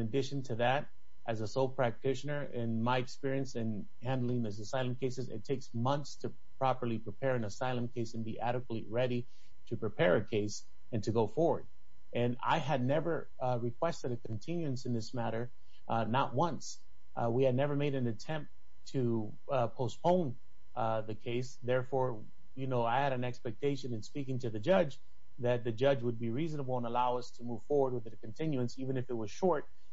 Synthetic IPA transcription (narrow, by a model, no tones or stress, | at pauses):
nɨdɪʃɨ̃ntʰɨðɨɾ | ʔɨzəsoʊlˠpʰɹ̥æk̚tʰɪʃɨnə˞ʔɪ̃nmaɪɨkspɪɹiɨ̃nsɨ̃n | hæ̃ndˡl̩ˠɪ̃ŋðɨsɨsaɪlˠə̃mkʰeɪsɨzɨ̰tʰeɪksmʌ̃nθstʰɨ | pʰɹ̥ɑpə˞lˠipʰɹ̥ipʰɛɹɨ̃nəsaɪlˠə̃mkʰeɪsɨ̃nbiʔæɾɨkwətˡiɹɛɾi | ɾɨpʰɹ̥ɨpʰɛɹɨkʰeɪs | ɨ̃ntʰɨɡoʊfɔɹwə˞d | ɨ̃na̰ɪɨdⁿnɛvə˞ | ɹɨkʰw̥ɛstɨɾɨkʰɨ̃ntʰɪ̃njʉɨ̃nsɨ̃nðɪsmæɾə˞ | ʔnəʔ̚wʌ̃ns | wiɨdⁿnɛvə˞meɪɾɨ̃nɨtʰɛ̃mp̚ | tʰɨ | pʰoʊspõʊ̃n | ðɨkʰeɪsðɛɹfɔɹ | jɨnoʊaɪɨɾɨ̃nɛkspɛk̚tʰeɪʃɨ̃nɨ̃nspikɪ̃ŋtʰɨðɨd͡ʒʌd͡ʒ | ðɨt̪̚ðɨd͡ʒʌd͡ʒwəd̚biɹiznəbl̩ˠə̃nəlaʊʌstʰɨmuv̥fɔɹwə˞d̚wəðɨkn̩tʰɪ̃njʉɨ̃nsivɨ̃nɨfɨt̚wʌz̥ʃɔɹt̚